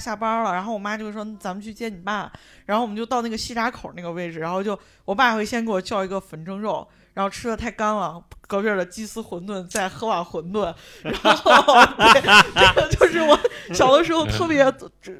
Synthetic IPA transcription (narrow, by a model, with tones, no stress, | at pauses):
ɕja˥˩pɐ˥lə˨˩ɻa˧˥nxo˥˩ʊwɔ˨˩ma˥t͡ɕjo˥˧ʊʂ̩˥˩ʂwɔ˥n˥˩t͡sa˧˥mə˨˧t͡ɕʰy˥˧t͡ɕjɛ˥˩ni˨˩pa˥˩ | ɻa˧˥nxo˥˩wt͡ɕo˥˧ɑ˥˧ʊna˥˩ɡə˩ɕi˥˩ʈ͡ʂa˥kʰo˨˩ʊna˥˩ɡə˩we˥˩ɪʈ͡ʂɻ̩˩ɻa˧˥nxo˥˧ʊt͡ɕjo˥˩ʊ | wɔ˨˩p̬a˥˩jxwe˥˩ɪjɛ˥nke˥wɔ˨˩t͡ɕjɑ˥˩ʊi˧˥ɡə˧fə˧˥nʈ͡ʂɤ˥ŋɻo˥˩ʊ | ɻa˧˥nxo˥˩ʈ͡ʂʰɻ̩˥lə˨˧t̪ʰa˥˩ɪka˥nlɑ˨˩kɤ˧˥pɥɛ˧˥˩lə˩t͡ɕi˥sɹ̩˥xwə˧˥nt̪wə˥˧nt͡sa˥˩ɪxɤ˧˥wa˨˩nxwə˧˥nt̪wə˥˩n | ɻa˧˥nxo˩˥˩t̪ɤ˥˧ɡə˩t͡ɕjo˥˧ʊʂɻ̩˥˩wɔ˨˧˩ɕjɑ˨˩ʊd̪ə˦ʂɻ̩˧˥xo˧ʊt̪ʰɤ˥˩pjɛ˧˥˩